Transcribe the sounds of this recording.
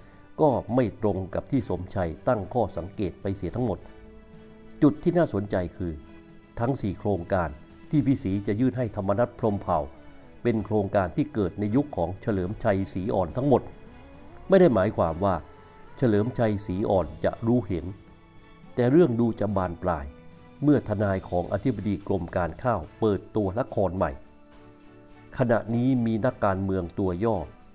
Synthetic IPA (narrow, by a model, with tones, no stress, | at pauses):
kɔː˥˩ma˥˩jt̪ɾo˧ŋka˨˩p̚t̪ʰiː˥˩so˩˦mt͡ɕʰa˧jt̪a˥˩ŋkʰɔː˥˩sa˩˦ŋkeː˨˩t̪̚pa˧jsi˨˩˦t̪ʰa˦˥mo˨˩t̪̚ | t͡ɕu˨˩t̪ʰːiː˥˩naː˥˩so˩˦ənt͡ɕa˧jkʰɯː˧ | t̪ʰa˦˥ŋsiː˨˩kʰɾoː˧ŋkaː˧n | t̪ʰiː˥˩pʰiː˥˩siː˩˦t͡ɕa˨˩ʔjɯː˥˩n̚ɦa˥˩jt̪ʰa˧mːa˧na˦˥t̪̚pʰɾo˧mpʰa˨˩w | pe˧nkʰɾoː˧ŋkaː˧nt̪ʰiː˥˩kɤː˨˩t̪̚na˧ju˦˥kʰːɔː˩˦ŋt͡ɕʰa˧lɤː˩˦mt͡ɕʰa˧jsiː˩˦ʔɔ̰ː˨˩nt̪ʰa˦˥ŋmo˨˩t̪̚ | ma˥˩jda˥˩jmaː˩˦jkʰwaː˧mwaː˥˩ | t͡ɕʰa˧lɤː˩˦mt͡ɕʰa˧jsiː˩˦ʔɔː˨˩nt͡ɕa̰˨˩ʔɾuː˦˥he˩˦n | t̪ɛː˨˩ɾɯ˥˩əŋduː˧t͡ɕa˨˩baː˧nplaː˧j | mɯ˥˩ɐt̪ʰa˧naː˧jkʰɔː˩˦ŋʔa̰˧t̪ʰi˦˥ba˧diː˧klo˧mkaː˧nkʰaː˥˩wpɤː˨˩t̪ːu˧ɐla˦˥kʰɔː˧nma̰˨˩j | kʰa˧na̰˨˩ʔniː˦˥miː˧na˦˥kːaː˧nmɯ˧əŋt̪u˧ɐjɔː˥˩